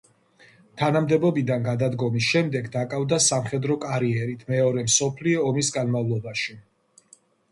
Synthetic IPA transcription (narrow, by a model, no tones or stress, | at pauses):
t̪ʰanamd̪ɛbɔbid̪anɡad̪ad̪ɡɔmis̬ʃɛmd̪ɛɡd̪akʼavd̪asamχɛd̪ɾɔkʼaɾiɛɾit̪ʰmɛɔɾɛmsɔpʰliɔːmisɡanmavlˠɔbaʃi